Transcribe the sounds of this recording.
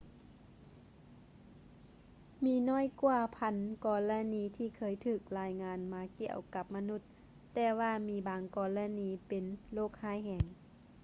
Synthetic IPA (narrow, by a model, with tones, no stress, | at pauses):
miː˧˦nɔː˧˥˨jkwaː˧˩pʰa˧˥nkɔː˧˩la˧niː˧˦t̪ʰiː˧˩kʰɤː˧˦˨jt̪ʰɯː˧˩k̚laː˨˧jŋaː˧˥nmaː˧˦ki˧˨ə̰wka˧˦p̚ma˧nu˧˩t̪̚ː | ɛː˧waː˧miː˧baː˨˦ŋkɔː˧˩la˧niː˧˦pe˨nloː˧˩k̚haː˧˥˨jhɛː˧˦ŋ